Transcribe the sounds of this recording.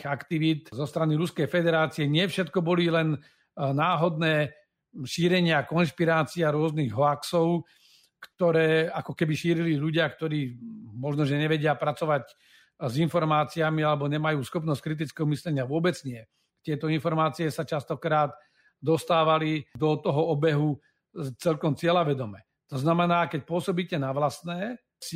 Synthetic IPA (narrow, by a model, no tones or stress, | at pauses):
akt̪iʋit̪zɔst̪ɾaniɾuskɛjfɛd̪ɛɾaːt͡siɛɲɪɛfʃɛt̪kɔbɔlilɛn | naːɦɔd̪nɛː | ʃiːɾɛɲɪakɔnʃpiɾaːt͡siaɾʊɔzniɣɦɔaksɔʊ | kt̪ɔɾɛːakɔkɛbiʃiːɾiliʎuɟɪakt̪ɔɾiːmɔʒnɔʒɛɲɛʋɛɟɪapɾat͡sɔʋac | zinfɔɾmaːt͡siamialɛbɔɲɛmajuːsxɔpnɔsckɾit̪̬it͡skɛɦɔmislɛɲɪaʋʊɔbɛd͡zɲɪɛ | t̪ɪɛt̪ɔinfɔɾmaːt͡siɛsat͡ʃast̪ɔkɾaːd̪ | d̪ɔst̪aːʋalid̪ɔt̪ɔɦɔɔbɛɦu | t͡sɛlkɔmt͡sɪɛlaʋɛd̪ɔmɛ | t̪ɔznamɛnaːkɛc̚pʊɔsɔbiːcɛnaʋlasnɛː | s